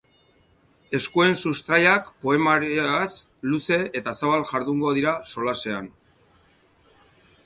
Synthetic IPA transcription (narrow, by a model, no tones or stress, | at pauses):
e̞skue̞nsust̪ɾajakpo̞e̞maɾasluse̞et̪asaβalʝaɾðuŋɡo̞ð̞iɾaso̞lase̞an